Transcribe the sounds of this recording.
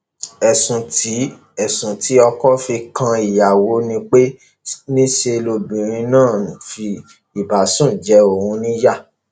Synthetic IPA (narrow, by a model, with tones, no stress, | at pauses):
ɛ˨sũ˨tʰi˨˦ | ɛ˨sũ˨ti˨˦ɔ˧kɔ˦fi˧kã˧i˨ja˨wo˨˦nĩ˧k͡pe˦ | nĩ˦ʃe˧lo˧bĩ˨ɾ̃ĩ˧nãː˦˨fi˧ | i˨ba˨sũ˦˨d͡ʒɛ˨˧˦o˨hũ˧nĩ˦ja˦˨